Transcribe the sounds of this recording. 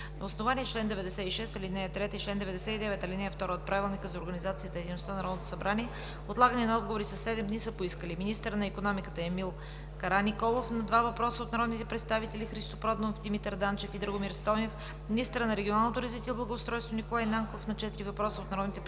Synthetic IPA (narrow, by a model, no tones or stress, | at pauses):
nɐosnovaniɛt͡ʃlɛnd̪ɛvɛd̪ɛsɛiʃɛst̪ɐlinɛjət̪ɾɛt̪əit͡ʃlɛnd̪ɛvɛd̪ɛsɛid̪ɛvɛt̪ɐlinɛjəft̪ɔɾəot̪̚pɾavilˠnikəzɐoɾɡənizat̪siəzt̪ɛd̪ʲinost̪anɐɾɔd̪not̪o̥sɐbɾaniɛ | ot̪lˠaɡəniɛnɐɔd̪̚ɡovoɾisɐsːɛd̪ɛmd̪nisəpoiskəliminist̪əɾənɐikonɔmikət̪əɛmilˠ | kɐɾanikɔlˠofnɐd̪vavɐpɾɔsəot̪nɐɾɔd̪nit̪ɛpɾɛt̪st̪avit̪ɛlʲixɾist̪opɾɔd̪monfd̪imit̪əɾd̪ant͡ʃɛfid̪ɾəɡʊmiɾst̪ɔnef | minist̪əɾənɐɾɛɡʲionalˠnot̪oɾɐzvit̪iɛblˠəɡoːst̪ɾɔjst̪vonikolˠajnaŋkofnɐt͡ʃɛt̪iɾivɐpɾɔsəot̪nɐɾɔd̪nit̪ɛ